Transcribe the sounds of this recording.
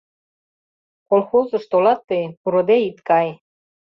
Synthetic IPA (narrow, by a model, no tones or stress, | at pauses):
kolxozɤ̆ʃt̪olɑt̪ːejpuɾŏd̪eit̪kɑj